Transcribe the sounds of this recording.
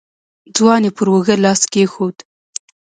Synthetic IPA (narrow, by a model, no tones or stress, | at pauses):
d͡zwɑnepəɾwəɣəlɑskexod̪